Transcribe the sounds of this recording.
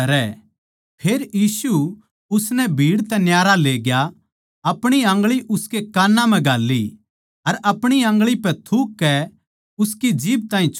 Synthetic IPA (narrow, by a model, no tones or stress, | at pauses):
ɐɾɛ | pʰeːɾjiːsu | ʊsnɛbʱiːɽt̪ɛnjaːɾaleːɡja | ɐpɽ̃iɐ̃ːŋɡɭiʔʊskekaːnːãmɛ̃ɡʱaːlːi | ɐɾɐpɽ̃iɐ̃ːŋɡɭipɛt̪ʰukːɛ | ʊskid͡ʒiːb̚t̪ãːĩt͡ʃʰ